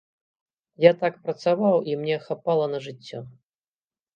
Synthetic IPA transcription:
jat̪akpɾɐt̪savawimnʲɛxapalˠɐnɐʐɨt͡sʲːɔ

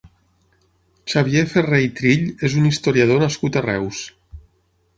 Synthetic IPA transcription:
t͡ʃaβjeferejt̪ɾiʎezunist̪oɾiað̞onaskut̪arɛws

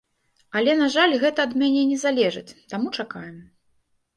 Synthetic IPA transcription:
ɐlʲɛn̪aʐalʲɣɛt̪ɐːd̪mʲanʲɛnʲɛzalʲɛʐɨt͡sʲt̪amut͡ʂakajɛm

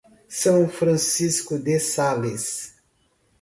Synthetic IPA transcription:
sɐ̃w̃fɾɐ̃siskʊd̪esales

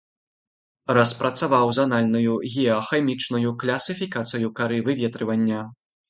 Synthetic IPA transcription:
rɐspɾʔɐt̪savawzanalʲnɐjuɣʲɛɔxɛmʲit͡ʂnujuklʲɐsɨfʲikat̪sɨjukaɾɨvɨvʲɛt̪ɾɨvɐnʲːɐ

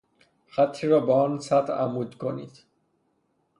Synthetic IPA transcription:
xæt̪ʰːiːɾɒːbeɒːnsæt̪æ̰muːd̪kʰonḭːd̪̥

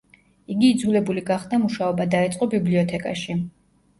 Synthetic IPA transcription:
iɡiːd̪zulɛbuliɡaχd̪amuʃaɔbad̪aɛt̪sʼqʼɔbibliɔt̪ʰɛkʼa̰ʃi

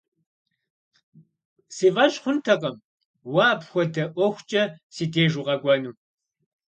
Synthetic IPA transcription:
siːvɐɕʼχʷʊntʰɐqʼɐm | waːpxʷɔdɐʔʷɔxʷt͡ʃʼɐsiːdeːʒuqʼɐɡʷʼɔnuː

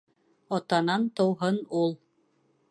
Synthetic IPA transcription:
ɒt̪ɑnɑnt̪ŏwɦɤnulˠ

